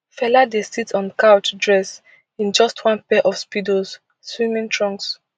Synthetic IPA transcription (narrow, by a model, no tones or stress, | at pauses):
fɛladesitɔ̃nkaʊt͡ʃdɹɛs | ĩnd͡ʒɔstʰwãnpɛʔɔfspidoz | swĩmĩŋtʰɹɔ̃ŋks